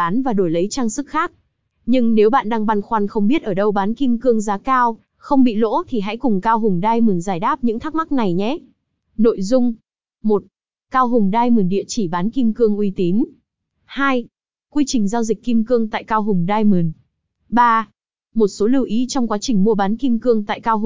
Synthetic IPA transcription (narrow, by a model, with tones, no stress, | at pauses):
aː˨˦nvaː˨˩ɗo˧˩jlə˨˦jt͡ɕaː˧ŋsɨ˦˥k̚xaː˦˥k̚ | ɲɨ˧ŋne˨˦wɓa̰ː˧˨nɗaː˧ŋɓa˧nxwa˧nxə˧wŋ͡mɓi˦˥ət̚ʔəː˧˩ɗə˧wɓaː˨˦nki˧mkɨ˧əŋzaː˨˦kaː˧w | xə˧wŋ͡mɓḭ˧˨lo̰˧˥t̪ʰi˨˩ɦa̰˧˥jkʊ˨˩ŋ͡mkaː˧wɦʊ˨˩ŋ͡mɗaː˧jmɨ˨˩nzaː˧˩jɗaː˦˥p̚ɲɨ̰˧˥ŋt̪ʰa˦˥k̚ma˦˥k̚na˨˩jɲɛ˨˦ | no̰˧˨jzʊ˧ŋ͡m | mo˨˩t̚ | kaː˧wɦʊ˨˩ŋ͡mɗaː˧jmɨ˨˩nɗḭ˧˨ət͡ɕi˧˩ɓaː˨˦nki˧mkɨ˧əŋʔwi˧t̪i˨˦n | haː˧j | kwi˧t͡ɕï˨˩ŋ̟zaː˧wzi˨˩k̟̚ʲkːi˧mkɨ˧əŋt̪a̰ː˧˨jkaː˧wɦʊ˨˩ŋ͡mɗaː˧jmɨ˨˩n | ɓaː˧ | mo˨˩t̚so˨˦lɨ˧˩wʔi˨˦t͡ɕɔ˧wŋ͡mkwaː˨˦t͡ɕï˨˩ŋ̟mu˧əɓaː˨˦nki˧mkɨ˧əŋt̪a̰ː˧˨jkaː˧wɦʊ˨˩